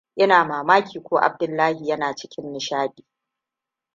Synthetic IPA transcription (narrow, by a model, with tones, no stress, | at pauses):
ʔɪ˦naː˨maː˨maː˦kʲʰiː˨kʷoː˦ʔa̰˨b̚dʊ˦lːaː˦hi˨jɐ˦naː˨t͡ʃɪ̥˦kʲʰɪ˦nːɪ˨ʃaː˦ɗi̥ː˨